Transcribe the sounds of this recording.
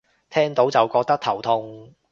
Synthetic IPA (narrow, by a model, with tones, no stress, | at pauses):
t̪ʰɛː˥ŋt̪o˨˥wt͡sɐ˨˩wkɔː˧k̚t̪ɐ˥k̚t̪ʰɐ˨˩wt̪ʰʊ˧ŋ